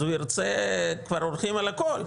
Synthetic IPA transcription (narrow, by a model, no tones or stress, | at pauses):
ujiɾt͡sekvaɾolχimalakol